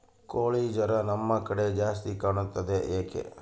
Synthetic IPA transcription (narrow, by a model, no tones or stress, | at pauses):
koɭid͡ʒəɾanəmːãkəɽed͡ʒas̬t̪ikənət̪əd̪eʔekḛ